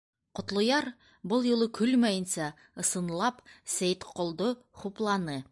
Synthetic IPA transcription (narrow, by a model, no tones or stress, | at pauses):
qŏt̪lˠŏjɑɾ | bɤlˠjŭlˠɤkʰʉlmæjə̆nsæ | ɤ̆sɤ̆nlˠɑpsæjt̪qʰŏlˠd̪o | χuplˠɑnɤ